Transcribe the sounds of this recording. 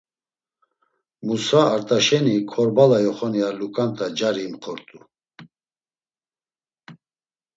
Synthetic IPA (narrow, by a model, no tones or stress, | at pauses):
musaːɾt̪ʼaʃɛnikʰɔɾbalajɔχɔnialukʼant̪ʰʼad͡ʒaɾimχʰɔɾt̪ʼu